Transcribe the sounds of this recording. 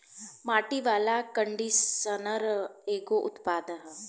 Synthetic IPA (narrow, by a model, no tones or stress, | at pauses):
maːʈiʋaːlakəɳɖisənəɾeːɡoʔʊt̪paːd̪əɦ